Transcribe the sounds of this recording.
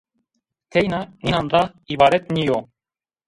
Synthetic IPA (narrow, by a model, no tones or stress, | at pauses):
t̪ʰejnaninanɾa | iβaɾet̪̚nijo